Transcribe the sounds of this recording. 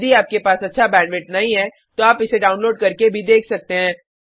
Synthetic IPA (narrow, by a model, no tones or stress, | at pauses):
d̪iaːp̚kepaːsɐtːʃʰabɛ̃ːnʋɪʈnɐɦĩɦɛː | t̪oaːpɪseɖaːʊnloːɖ̚kɐɾkebʱid̪eːkʰsɐk̚t̪eɦɛ̃ː